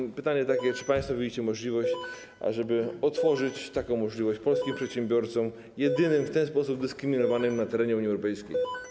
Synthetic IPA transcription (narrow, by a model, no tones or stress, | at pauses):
pɘt̪aɲɛt̪akʲɛt͡ʂɘ̥paj̃st̪fɔvʲiit͡ɕɛmɔʐlʲivɔɕt͡ɕ | ʔa̰ʐɛbɘɔt̪fɔʐɘt͡ɕt̪akɔ̃w̃mɔʐlʲivɔɕt͡ɕpɔlskʲimpʂɛt̪ɕɛmbʲjɔɾt̪sɔ̃m | jɛd̪ɘnɘmft̪ɛnspɔsub̚d̪ɘskɾɘmʲinɔvanɘmnat̪ɛɾɛɲɛuɲiɛwɾɔpɛjskʲḛj